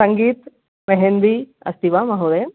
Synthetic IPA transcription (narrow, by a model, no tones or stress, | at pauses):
sɐŋɡiːt̪ | meɦend̪i | ɐ̰st̪iʋamɐɦod̪e